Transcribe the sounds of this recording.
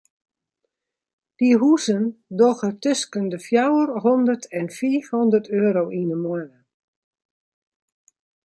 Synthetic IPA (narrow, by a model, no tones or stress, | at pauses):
d̥iɦuzəndɔɣətʏskəndəfjawərɦɔndərtʰɛnfiːfhɔndərtʰøːɾowʔinəmɔnə